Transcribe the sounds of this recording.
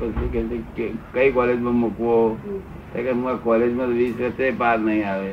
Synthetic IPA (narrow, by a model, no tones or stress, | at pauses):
pəsekesekkəikɔled͡ʒmə̃mʊkʋo | t̪akemkakɔled͡ʒmãt̪oʋisɾət̪epaɾnəɦĩaʋe